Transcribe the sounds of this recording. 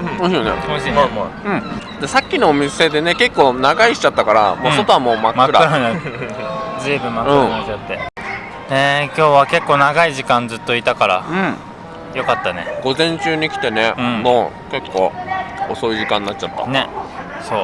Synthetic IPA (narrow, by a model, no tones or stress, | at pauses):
ɯ̃ɯ̃jonḛoɕimomoɯ̃ɴd̪̥esakʲːinoːmʲise̞d̪e̞neke̞kːo̞ːnaɡaiɕi̥t͡ɕat̪ːakaɾa̰mõsot̪o̞amoːmakmakɯɾaɯɾaa | d͡zɨːbɯ̟̃mmakɯɯ̃amaat̪ːe̞ | ne̞kʲo̞ːβake̞kːo̞ːnaɡaiʑikãnd͡zɨt̪ːo̞it̪akaɾa̰ɯ̃ | jo̞kat̪ːane̞̰ɡ̥o̞zẽ̞ɲ̟t͡ɕɨːɲ̟ikʲi̥t̪e̞neɯ̟̃ɴmoː | ke̞kːo̞̰ːoso̞iʑikãnːat͡ɕ̚t͡ɕat̪ːa̰ne | so̞ː